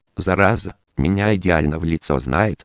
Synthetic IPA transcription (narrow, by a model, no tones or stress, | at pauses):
zɐɾazə | mʲɪnʲaɪdʲɪalʲnəvlʲɪt̪so̰znʔajɪt̪